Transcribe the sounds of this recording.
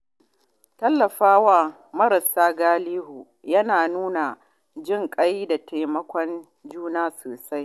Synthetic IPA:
tɐ˦lːɐ˨ɸaː˦wa˦˨ | mɐ˦ɾɐ˨saː˦ɡaː˦liː˦ɦu˨ | jɐ˦naː˨nuː˦na˨ | d͡ʒɪ˦˨ŋkʼɐ˦jda˨tʰa˨mɐ˦kʷɔ˦n | d͡ʒuː˦naː˦soː˨sa˦j

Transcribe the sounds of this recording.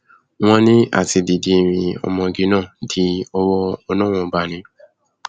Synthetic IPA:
w̃ɔ̃˦nĩ˦a̰˦˨ti˧di˨di˧˨ɾĩ˧ɔ̰˧mɔ̃˧ɡi˧˦nãː˦˨di˧˦ɔ˧wɔ˦ɔ˧nã˦˨ɔ̃˧ba˨nĩ˧˦

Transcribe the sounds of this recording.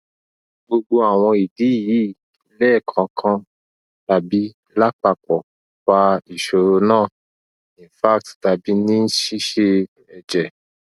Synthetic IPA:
ɡ͡bo˧ɡ͡bo˧a˨w̃ɔ̃˧i˨di˨˦˨ji˨˦˨ | i˧˦lɛ˦˨kʰã˨˦kʰã˧ | ta˨bi˨˦ | la˦k͡pa˧˨k͡pɔ˨ | fa˧i˨ʃo˨ɾo˧nãː˦˨ | ĩ˨fa˦k̚tta˨bi˨˦nĩ˦n̩˦ʃi˦ʃe˧ | ɛ˧d͡ʒɛ˨

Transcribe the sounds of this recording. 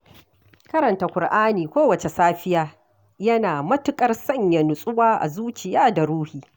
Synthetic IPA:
kɐ˦ɾɐ˨nta˨kʷʊ˨rʔaː˦niː˨kʷoː˦wɐ˨t͡ʃe˨saː˦ɸɪ˦jaː˦ | jɐ˦naː˨mɐ˦tʊ˦kʼɐ˦rsɐ˦ɲjɐ˨nʊ˨sʼʊ˦waː˦ʔa̰˨zuː˦t͡ʃɪ˨jaː˦da˨ɾuː˦hiː˨

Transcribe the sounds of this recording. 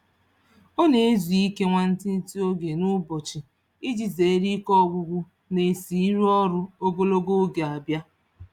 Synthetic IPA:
o˦ne˨e˦zi˨i˦ke˦ŋʷa˦n̩˦ti˦n̩˦ti˦o˦ɡe˨nʊ˦bɔ˨t͡ʃi˨ | i˦d͡ʒi˨ze˨e˦ɾi˦kɔ˦˨ɡʷʊ˦ɡʷʊ˦ | ne˨si˨˦ɾu˦ɔ˦ɾʊ˦o˦ɡo˦lo˦ɡo˦ɡe˨a˨bja˦

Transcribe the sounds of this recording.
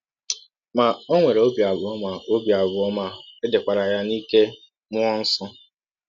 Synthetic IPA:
ma˨o˦ŋʷe˨ɾe˨o˦bja˨bʊ˨ɔ˦ma˨o˦bja˨bʊ˨ɔ˦ma˦e˦de˨kʷa˨ɾa˨ja˦ni˦ke˦ | mʊ˦ɔ˦n̩˦sɔ˦

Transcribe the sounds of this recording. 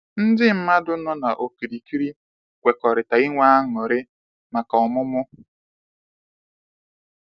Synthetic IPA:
n̩˦dɪ˦m̩˦ma˦dʊ˦nɔ˦na˨ʔo˨ki˨ɾi˨ki˦ɾi˦ | kʷe˨kɔ˨ɾɪ˨ta˨i˦ŋʷa˦a˦ŋɔ˨ɾɪ˦ | ma˨kɔ˨mʊ˦mʊ˦

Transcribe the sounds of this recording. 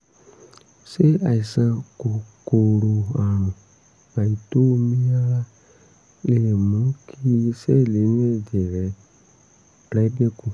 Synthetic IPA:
se˦a˨i˨sa˦ko˨ko˨lo˨a˨nũ˨ | a˨i˨to˦mi˦ja˦la˦ | le˦˨mũ˦kʰi˦sɛ˦˨le˨˦n˦e˦˨de˨ɾɛ˨˦ | bla˨˦i˦be˦ku˦

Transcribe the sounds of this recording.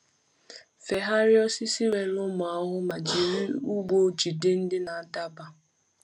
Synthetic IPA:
fe˨ɦa˦ɾɪ˦ɔ˦si˦si˦we˨nʊ˦mʊ˨a˦ɦʊ˦ma˨d͡ʒi˨ɾi˦u˦ɡʷo˦d͡ʒi˨dɪ˦n̩˦dɪ˦na˨da˦ba˨

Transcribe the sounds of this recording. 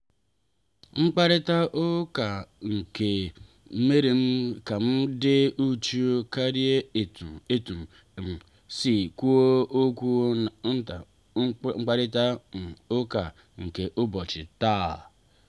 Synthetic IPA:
ŋ͡m̩˦k͡pa˦ɾɪ˦ta˦ʔʊ˦ka˨ŋ̩˨ke˨˦ | me˦ɾe˨m̩˦ka˨m̩˦dɪ˦u˦t͡ʃu˦o˦ka˦ɾje˦e˨tu˨e˦tu˨m̩˨ | m̩˨ | si˨ku˦o˦o˦kʷu˦n̩˦ta˨˦ | ŋ͡m̩˦k͡pa˦ɾɪ˦ta˦˨ʊ˦ka˨ | ŋ̩˨ke˨ʔʊ˦bɔ˨t͡ʃɪ˨ta˦˨

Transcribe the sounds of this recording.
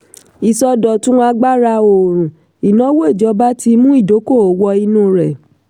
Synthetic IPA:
i˨sɔ˧dɔ˨tũ˦a˧ɡ͡ba˦ɾa˧o˨ɾ̃ũ˨ | i˨nɔ̃˨˦wo˦e˦˨d͡ʒɔ˨˧˦ba˦ti˧mũ˦i˦˨do˨˦ko˦˨o˨˦wɔ˧i˧nũ˦˨ɾɛ˨

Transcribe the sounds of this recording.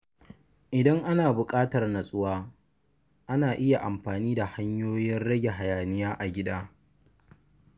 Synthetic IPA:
ʔɪ˨dɐ˦ŋʔa˦naː˨bʊ˨kʼaː˦tɐ˨rna˨sʼʊ˦waː˦ | ʔa˦naː˨ʔɪ˦ja˨ʔa˨mɸaː˨niː˦da˨ha˦ɲjoː˦jɪ˦nɽɐ˦ɡʲe˨ɦa˨jaː˨nɪ˦jaː˦ʔa˨ɡʲɪ˦daː˦

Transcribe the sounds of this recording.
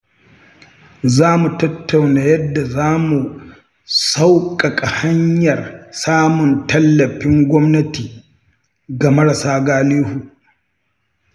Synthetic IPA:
zaː˦mu˨tɐ˦tːa˨wnaː˨jɐ˦dːa˨zaː˦mu˨ | sa˦wkʼɐ˨kʼa˨ha˦ɲjɐ˨rsaː˦mʊ˨ntɐ˦lːɐ˨ɸɪ˦ŋɡʷɔ˦mnɐ˦tiː˨ | ɡa˨mɐ˦ɽɐ˨saː˦ɡaː˦liː˦hu˨

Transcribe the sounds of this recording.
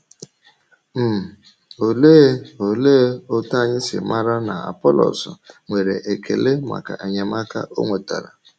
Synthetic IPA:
m̩˦˨ | o˨le˦o˨le˦o˦ta˦˨ɲɪ˦sɪ̰˨ma˦ɾa˦na˨a̰˨pɔ˦lɔ̰˨sʊ˨ŋʷe˨ɾe˨ʔe˨kʰḛ˨le˦ma̰˨ka˨ʔe˨ɲe˨ma˦ka˦ʔo˦ŋʷe˨ta˨ɾa˨

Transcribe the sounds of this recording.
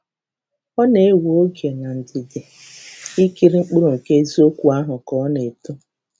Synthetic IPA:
ɔ˦ne˨e˦wo˦ɡje˨na˨n̩˨dɪ˨dɪ˨ | i˦ki˦ɾi˦ŋ͡m̩˦k͡pʊ˦ɾo˨ŋ̩˨ke˦zi˦o˦kʷu˨a˦ɦʊ˨kɔ˨˦ne˨tʊ˦

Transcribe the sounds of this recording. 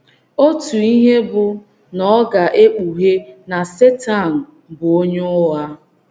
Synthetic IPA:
o˦tu˨i˦ɦe˦bʊ˨ | nɔ˦ɡa˨ʔe˦k͡pu˨ɦe˦na˨se˦ta˦˨n̩˨ | bʊ˨o˦ɲo˦ʊ˦ɦa˦

